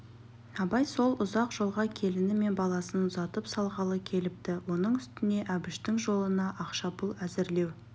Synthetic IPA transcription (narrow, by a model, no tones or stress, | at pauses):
ɑbɑjso̞lˠʊzɑqʒ̥o̞lˠʁɑkʲʰe̞lɪnɪme̞nbɑlˠɑsənzɑt̪əpsɑlˠʁɑlˠəkʲʰe̞lɪp̚t̪ɪwo̞nəɴʏst̪ɪne̞ʔæbɪʃt̪ɪŋʒo̞lˠənɑʔɑqʃɑbʊlˠæzɪɾle̞w